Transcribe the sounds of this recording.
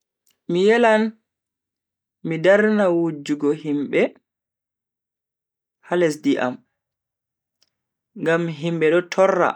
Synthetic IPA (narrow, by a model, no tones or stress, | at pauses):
mijɛlan | midaɾnawud͡ʒuɡɔɦimɓɛ | halɛs̬diʔa̰m | ŋɡamɦimɓɛɗɔtʰɔrːa̰